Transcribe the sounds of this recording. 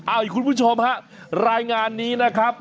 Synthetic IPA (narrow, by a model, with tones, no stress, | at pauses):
ʔa˧˩jkʰu˧npʰu˦˥t͡ɕʰo˧mha˦˥ʔ | ɾaː˧jŋaː˧nːiː˦˥na˦˥kʰɾa˦˥p̚